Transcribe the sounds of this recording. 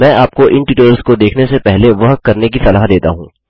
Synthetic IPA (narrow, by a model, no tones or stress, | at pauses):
mɛ̃ːʔaːp̚koʔɪnʈɪʈoːəlskod̪eːkʰnesepɛɦleʋɐɦkːɐɾnek̬isɐlaːɦd̪eːt̪a̰ɦũː